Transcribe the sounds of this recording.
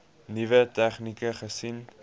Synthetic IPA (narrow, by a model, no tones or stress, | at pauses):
nivətæχnikəχəsin